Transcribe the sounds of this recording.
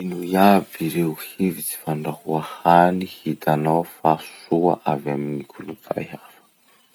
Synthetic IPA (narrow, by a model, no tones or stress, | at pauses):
inujaviɾehivit͡si̥faɳɖ͡ʐahuahanihit̪anawfasuaʔavaminikʰulunt̪a̰jafə̥